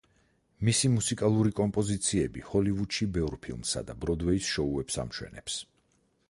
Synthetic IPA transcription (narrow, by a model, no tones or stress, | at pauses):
misimusikʼalˠuɾikʼɔmpʼɔzit̪sʰiɛbihɔlivud̪ʃibɛvɾpʰilˠmsa̰d̪abɾɔd̪wɛisʃɔuɛpsa̰mʃwɛ̰nɛps